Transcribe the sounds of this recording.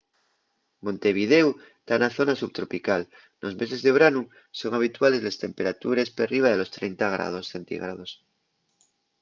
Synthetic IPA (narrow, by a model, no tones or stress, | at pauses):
mõ̞nt̪e̞β̞ið̞ew | t̪anaθo̞nasuβt̪ɾo̞pikal | nʔo̞zme̞se̞zðe̞βɾanu | so̞ŋaβ̞it̪wale̞zle̞st̪e̞mpe̞ɾat̪uɾe̞speriβ̞aðelo̞st̪ɾejnt̪aɣ̞ɾa̰ð̞o̞sθent̪ḭɣɾað̞o̞s